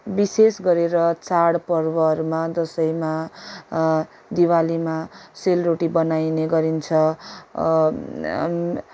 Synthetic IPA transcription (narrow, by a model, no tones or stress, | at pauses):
bisesɡʌɾeɾʌt͡saɽpʌrbʌɾumad̪ʌsʌjma | d̪iwalimaselroʈibʌnajneɡʌɾint͡sʰʌ